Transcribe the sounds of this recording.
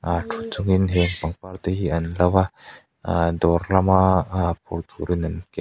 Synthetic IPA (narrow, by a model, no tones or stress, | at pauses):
atʰut͡suŋinɦɛŋpaŋpart̪eiɐnlawa | ad̪ɔrlamapʰɔrt̪uɾinankɛ